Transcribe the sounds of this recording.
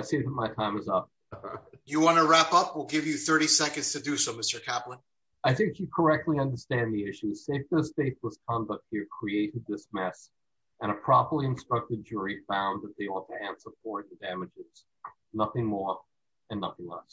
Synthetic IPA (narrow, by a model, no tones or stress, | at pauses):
ɪseɪðət̚maɪtʰãɪ̃mɨzʌp̚ | jɨwɑ̃nəɹæpʌpwilˠɡɪvjɨθɜ˞ɾisɛkɨ̃ndz̥tʰɨdɨsoʊmɪstə˞kʰæplə̃n | aɪθɪ̃ŋkjɨkʰə˞ɛk̚tʰˡliʌ̃ndə˞stæ̃nðiɪʃʉz̥seɪfdəsfeɪθləskʰɑ̃ndʌk̚t̚hiɹkʰɹ̥ieɪɾɨd̪̚ðɪsmɛs | ɨ̃ɾ̃əpʰɹ̥ɑpə˞liɨ̃nstɹ̥ʌk̚tɨd̚d͡ʒʊɹifãʊ̃nðɨt̪̚ðeɪɔtʰɨæ̃nsə˞pʰɔɹdæmɨd͡ʒɪz̥ | nʌθɪ̃ŋmɔɹ | ɨ̃nːʌθɪ̃ŋlɛ̰s